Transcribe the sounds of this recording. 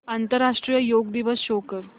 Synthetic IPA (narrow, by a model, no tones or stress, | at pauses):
ant̪əɾːaʂʈɾijəjoɡd̪iʋəsɕokəɾ